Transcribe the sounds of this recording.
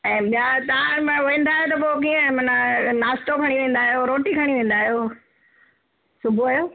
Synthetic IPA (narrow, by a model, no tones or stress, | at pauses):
ɛ̃ːɓijat̪ɐãmɐ̃ʋẽːn̆d̪aːɦijot̪ɐpoːk̬iːə̃mɐnanaːst̪okʰɐɽ̃iʋẽːn̆d̪aːɦijoɾoːʈikʰɐɽ̃iʋẽːn̆d̪aːɦijoː | sʊbʱoaːɦjoː